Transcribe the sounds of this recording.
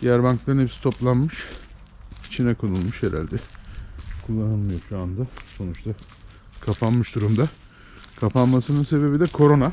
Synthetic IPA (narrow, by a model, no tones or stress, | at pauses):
d̪ijæɾbaŋklˠaɾɯnhepsi̥t̪ʰo̞plˠanmɯʃ | it͡ʃʰinɛkʰonulˠmuʃeɾæ̰ɾd̪ɛ | kʰulˠːananˠmɯjoʃuand̪ɯso̞nut͡ʃt̪ʰa | kʰapʰanmɯʃd̪uɾumd̪a | kʰapʰanmasɯnɯnse̞be̞bid̪ɛkʰo̞ɾo̞na